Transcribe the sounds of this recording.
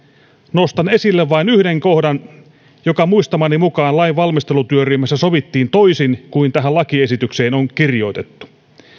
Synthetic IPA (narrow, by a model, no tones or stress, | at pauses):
nost̪ɑne̞silːeʋʋɑinyhdeŋkohdɑn | jokɑmuist̪ɑmɑnimukɑːnlɑiʋʋɑlmist̪e̞lut̪yøryhmæsːæsoʋit̪ːiːnt̪oisinkuint̪æɦælɑkie̞sit̪ykseːnoŋkirjo̞jt̪et̪ːu̥